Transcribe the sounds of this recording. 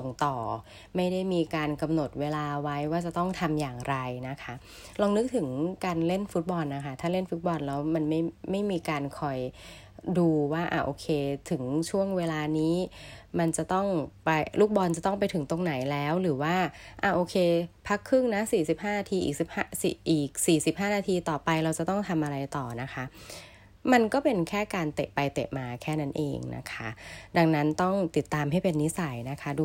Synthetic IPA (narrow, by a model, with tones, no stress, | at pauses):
so˨˩˦ŋt̪ɔː˨˩ | ma˥˩jda˥˩jmiː˧kaː˧nka˧mno˨˩t̪̚weː˧laː˧wa˦˥jwaː˥˩t͡ɕa˨˩t̪ɔ˥˩ŋt̪ʰa˧mjaː˨˩ŋɾa˧jna˦˥kʰa˦˥ | ɾɔː˧ŋnɯ˦˥k̚t̪ʰɯ˨˩˦ŋkaː˧nle˥˩nfu˦˥t̪̚bɔ˧nːa˦˥kʰa˥˩t̪ʰaː˥˩le˥˩nfu˦˥t̪̚bɔ˧nlɛː˦˥wma˧nma˥˩jma˥˩jmiː˧kaː˧nkʰɔ˨˩j | duː˧waː˥˩ʔa̰˨˩ʔoː˧kʰeː˧t̪ʰɯ˩˦ŋt͡ɕʰu˥˩əŋweː˧laː˧niː˦˥ma˧nt͡ɕa˨˩t̪ɔ˥˩ŋpa˧jluː˥˩k̚bɔː˧nt͡ɕa˨˩t̪ɔ˥˩ŋpa˧jt̪ʰɯ˩˦ŋt̪o˧ŋna˩˦jlɛː˦˥wɾɯː˩˦waː˥˩ʔaː˧˩ʔoː˧kʰeː˧pʰa˦˥kʰːɯ˥˩ŋna˦˥siː˨˩si˨˩p̚ɦaː˥˩naː˧t̪ʰiː˧ʔiː˨˩k̚si˨˩p̚haː˥˩sḭ˨˩ʔiː˨˩k̚siː˨˩si˨˩p̚ɦaː˥˩naː˧t̪ʰiː˧t̪ɔː˨˩pa˧jɾa˧wt͡ɕa˨˩t̪ɔ˥˩ŋt̪ʰa˧mʔa˧ɾa˧jt̪ɔː˨˩na˦˥kʰa˦˥ | ma˧nkɔː˥˩pe˧nkʰɛː˥˩kaː˧nt̪e˨˩ʔpa˧jt̪e˨˩p̚maː˧kʰɛː˥˩na˦˥nʔḛː˧ŋnʔa̰˦˥kʰa˦˥da˧ŋna˦˥nt̪ɔ˥˩ŋt̪i˨˩t̪ːaː˧mɦa˥˩jpe˧nːi˦˥sa˨˩˦jna˦˥kʰa˦˥duː˧